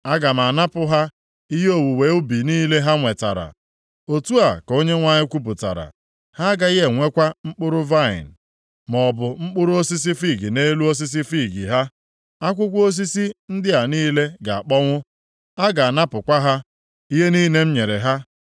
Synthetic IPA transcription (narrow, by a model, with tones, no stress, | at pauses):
a˦ɡa˨m̩˨a˨na˦pʊ˦ɦa˦ | i˦ɦe˦o˦wu˨we˨˦ʊ˦bi˨niː˦le˦ɦa˦ŋʷe˨ta̰˨ɾa̰˨ | o˨tu˦a˨ko˦ɲe˦ŋʷa˦ɲɪ˦kʷu˦p̬ʊ˨ta̰˨ɾa̰˨ | ha˦ɡa˦ɪ˦ɦe˨ŋʷe˦kʷa˦ŋ͡m̩˦k͡pʊ˦ɾʊ˦va˦˨ɪ̰˨n̩˨ | mɔ˨bʊ˨ŋ͡m̩˦k͡pʊ˦ɾʊ˦o˦si˦s̬i˦fi˦˨ɡi˨ne˦lu˦o˦s̬i˦s̬i˦fi˦˨ɡi˨ɦa˦ | a˦kʷʊ˦kʷo˦s̬i˦si˦n̩˦dɪ˦a˨niː˦le˦ɡa˨a˨k͡pɔ˦ŋʷʊ˦ | a˦ɡa˨a˨na˦pʊ˨kʷa˦ɦa˦ | i˦ɦe˦niː˦ne˦m̩˦ɲe˨ɾe˨ɦa˦